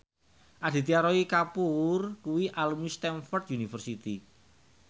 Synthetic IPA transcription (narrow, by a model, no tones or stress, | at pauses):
ʔad̪̥i̤t̪iaɾɔikapurkuwiʔalumist̪ɛnfɔrt̪̚junifərsit̪i